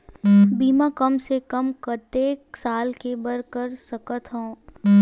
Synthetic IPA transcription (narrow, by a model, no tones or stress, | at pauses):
biːmakɐmsekəmkət̪eːksaːlkebəɾkəɾsəkət̪ɦõː